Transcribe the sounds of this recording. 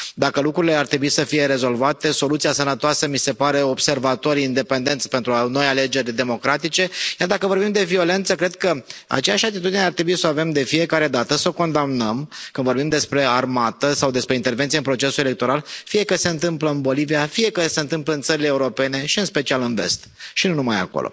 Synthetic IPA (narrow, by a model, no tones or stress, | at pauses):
d̪akəlukɾuɾile̞art̪ɾe̞buisəfije̞ɾe̞zo̞lvat̪e̞so̞lut̪siasənət̪oasəmise̞paɾe̞o̞bse̞rvat̪o̞ɾʲind̪e̞pe̞nd̪e̞nt̪spe̞nt̪ɾuno̞jale̞d͡ʒe̞rʲd̪e̞mo̞kɾat̪it͡ʃe̞jard̪akəvo̞rbimd̪e̞viole̞nt̪səkɾe̞d̪̚kəa̰t͡ʃejaʃat̪it̪ud̪ineart̪ɾebuisoave̞md̪e̞fije̞kaɾe̞d̪at̪əsəoko̞nd̪amnəmkɨnd̪vo̞ɾbimd̪e̞spɾe̞armat̪əsawd̪espɾeint̪e̞rvent̪sieɨnpɾo̞t͡ʃe̞suele̞k̚t̪o̞ɾalfije̞kəse̞ɨnt̪ɨmpləɨnbo̞liviafije̞kəse̞ɨnt̪ɨmpləɨnt̪səɾileːuɾo̞pe̞ne̞ʃiɨnspe̞t͡ʃialɨnve̞̰st̪ʃinunumaja̰ko̰lʔo̰